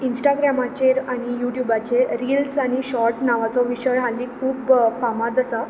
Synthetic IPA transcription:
insʈaɡɾamat͡ɕeɾaɽ̃ijuʈjubat͡ɕeɾilsaɽ̃iɕɔɾʈnaʋat͡sɔʋiɕəɾɦalːikʰuːbfamat̪əsa

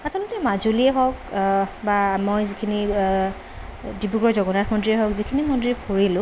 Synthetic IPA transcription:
asɔlotɛmazuliɛɦɔkbamojzikʰini | dibuɡɔzɔɡɔnatʰmɔndɹiɛɦɔkzikʰinimɔndɹipʰoɹilʊ̃

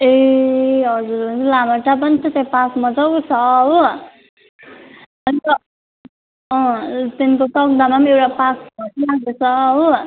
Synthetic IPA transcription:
e | ɦʌd͡zuɾonilamʌʈap̬ʌnt͡sʰʌt̪ẽpakmʌd͡zʌwt͡sʰʌɦu | ʌnit̪ʌ | ʌ̃t̪enkot̪ʌk̚d̪amamewʈapakʰbʱʌʈiaɡot͡sʰʌɦu

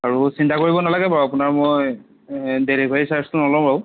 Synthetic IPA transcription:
aɹusintakoɹibɔnalaɡɛbaapunaɹmoj | deɹibʱajisaɹstunɔlɔ̃baw

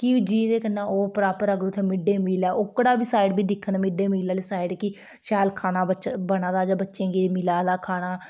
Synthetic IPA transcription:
kɪd͡ʒiːd̪eːkənːãːoːpəɾaːpəɾəɡɾut̪ʰeːmɪɖeːmiːlɛːʔʊkːɽaːbiːsaːɪɖbiːd̪ɪkʰːənmɪɖeːmiːlaːleːsaːɪɖkɪ | ʃɛːlkʰaːnãːbət͡ʃbənãːd̪aːd͡ʒaːbətːʃẽːɡimɪlaːd̪aːkʰaːnaː

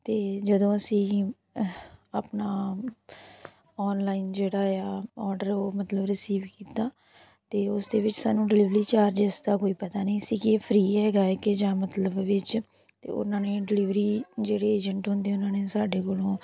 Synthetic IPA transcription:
t̪eːd͡ʒəd̪õːəsĩː | aːpnaː | ɔːnlaːind͡ʒeːɽaːjaːɔːɾɖəɾoːmət̪ləbɾɪsiːʋkiːt̪aː | t̪eːʊsd̪eːʋɪt͡ʃsaːnũːɖɪlɪʋɾiːt͡ʃaːɾd͡ʒɛːsd̪aːkoːiːpət̪aːnəĩːsiːkieːpʰɾiːɛːɡaːɛːked͡ʒãːmət̪ləbʋɪt͡ʃ | t̪ḛːʊ̰nãːneːɖɪlɪʋɾiːd͡ʒeːɽeːeːd͡ʒəɳʈɦʊ̃nd̪eːʊnãːneːsaːɖeːkolõː

